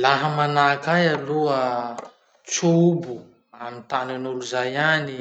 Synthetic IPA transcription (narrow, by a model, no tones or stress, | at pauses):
laɦəmanakajaluə | t͡subu | amint̪ananuluzajani